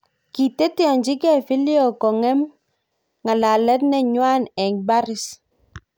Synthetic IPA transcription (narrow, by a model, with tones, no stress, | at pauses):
ki˨te˦ti˦ɔ˨ɲd͡ʒi˦kɛ˦˨fi˦li˦o˨kɔ˨ŋɛ˦m | ŋa˨la˨lɛ˦tnɛ˨ɲwa˦nɛ˨ŋba˦ɾɪ˦s